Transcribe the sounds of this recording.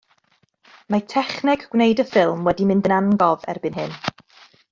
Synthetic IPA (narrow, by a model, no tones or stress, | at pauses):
matʰɛχnɪɡɡ̥wnejdəfɪlˠmwɛdimɪndənanɡɔvɛ̰rbɨnɦɨn